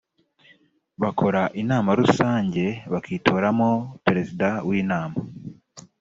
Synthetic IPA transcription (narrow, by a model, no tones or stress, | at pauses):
βakʰo̞ɾaʔinaːmaɾusaːɲɟe̞βakʰiːtʰo̞ːɾamopeɾe̞zidawiːnaːma